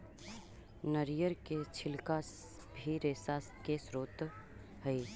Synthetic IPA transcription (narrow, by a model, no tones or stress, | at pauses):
nəɾijəɾket͡ʃʰɪlka | bʱiɾeːsaskesɾoːt̪ | həi